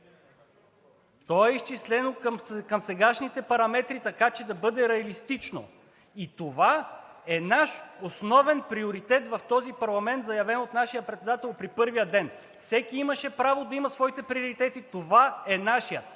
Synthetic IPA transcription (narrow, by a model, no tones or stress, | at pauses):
t̪ɔɛist͡ʃislɛnokkɐmsɛɡaʃnit̪ɛpɐɾɐmɛt̪ɾit̪ɐkat͡ʃɛd̪ɐbɤd̪ɛɾɛɐlist̪it͡ʃno̰ | it̪ovaɛnaʃosnɔvɛnpɾioɾit̪ɛt̪vɐft̪ɔzipɐɾlˠɐmɛnt̪zɐjɐvɛnot̪naʃijəpɾɛt̪sɛd̪at̪ɛlˠpɾipɤɾvijəd̪ɛn | fsɛkʲiimɐʃɛpɾavod̪ɐimɐsvɔit̪ɛpɾioɾit̪ɛt̪it̪ovaɛnaʃijə